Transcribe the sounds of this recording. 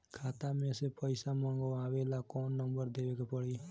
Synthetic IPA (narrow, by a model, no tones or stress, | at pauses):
kʰaːt̪amẽsepəɪsaməɳɡəaːʋelakɔːnːəmbəɾd̪eʋekepəɽi